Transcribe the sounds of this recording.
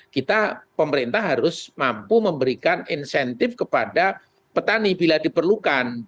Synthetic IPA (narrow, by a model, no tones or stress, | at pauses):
kit̪apəməɾint̪aɦɦaɾʊsmampuməmbəɾikaninsɛnt̪ɪfkəpada | pət̪anibiladipərlukan